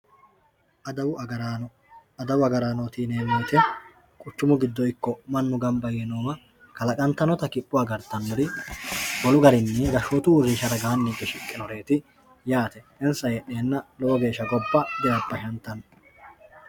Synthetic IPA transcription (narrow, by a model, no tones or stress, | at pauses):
ʔɐd̪ɐwʊɐɡɐɾaːnɔ | ɐd̪ɐwʊɐɡɐɾaːnot̪iːneːmeːt̪ɛ | kʼʊt͡ʃːʊmʊɡɪd̪ːɔɪkːɔmɐnːʊɡɐmbɐjenoːmɐ | kɐlɐkʼɐnt̪ɐnɔt̪ɐkɪpʼːʊwaːɡɐɾd̪ɐnːɔɾɪ | ɡɔlʊɡɐɾɪnːɛɡɐʃoːt̪ʊwʊrːɪʃɐɾɐɡaːnːiɡɛʃɪkʼːɪnɔɾe̞ːt̪ɪ | jaːt̪ɛ | ɛnsɐjɛʔːeːnːɐlɔwɔɡe̞ːʃɐɡɔbːɐd̪ɛjɐbːɐʃɐnt̪ːɐn